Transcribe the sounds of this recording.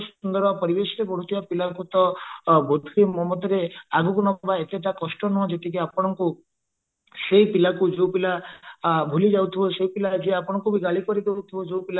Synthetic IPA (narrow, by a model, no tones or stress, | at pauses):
snd̪ɔɾapɔɾibesɾebɔɽ̤ut̪ʰibapilakut̪ɔbod̪ʱkimɔmɔd̪ʱɔɾeaɡukunɔbaet̪jeʈakɔsʈɔnɔɦɔ̃d͡ʒet̪ik̬iapɔɽ̃ɔŋku | seɦipilakud͡ʒowpila | bʱulid͡ʒawt̪ʰibɔseipilad͡ʒeapɔɽ̃ɔŋkubʱiɡaɭikɔɾid̪ewt̪ʰiɔd͡ʒewpila